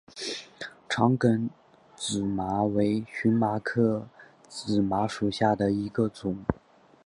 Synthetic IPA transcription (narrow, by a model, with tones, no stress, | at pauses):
ʈ͡ʂʰɑ˧˥ŋkə˧˥n | t͡sɹ̩˨˩ma˧˥we˧˥ɪɕy˧˥nma˧˥kʰɤ˥˩ | t͡sɹ̩˨˩ma˧˥ʂu˨˩ɕja˥˩d̪ə˩i˧˥ɡə˧t͡sʊ˨˩˦ŋ